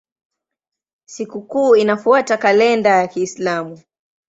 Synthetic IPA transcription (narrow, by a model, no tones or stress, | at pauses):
sikukuːinafuatakalɛndajakiːslamu